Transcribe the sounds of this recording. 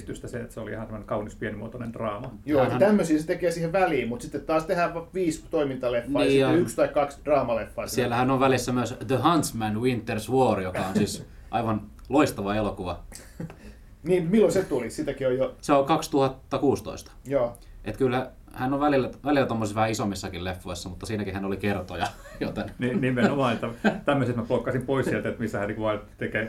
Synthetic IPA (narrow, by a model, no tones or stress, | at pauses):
t̪yst̪æseet̪seoliḭhɑnsemːonekɑunispienimuot̪onend̥rɑːmɑjoːnæt̪æmːøsiːset̪ekeːsiːheʋæliːmmut̪sit̪ːet̪t̪ɑːst̪ehæːʋʋiːst̪oimint̪ɑlefːnːɑːsɑykst̪ɑikkɑksd̥rɑːmɑlefːɑːssielːæhænːoʋʋælisːæmyøsd̪əhɑnt̪smænwint̪ːersʋuorjokɑonsiːsʔɑiʋɑnloist̪ɑʋɑelokuʋɑ | niːmmilːoset̪ulisit̪ækiojoseolkɑkst̪uhɑt̪ːɑkuːst̪o̰ist̪ɑ̥joː | ʔet̪kylhæ | hænːoʋælilːæʋælilːæt̪omːosisʋæhæisomːisːɑkillefːoisːɑmut̪ːɑsiːnækihænolikert̪ojɑjot̪enninimenomɑːnet̪ːæt̪æmːøsest̪mæplokːɑsimpoisielt̪æet̪misːæhænikʋɑtt̪ekeː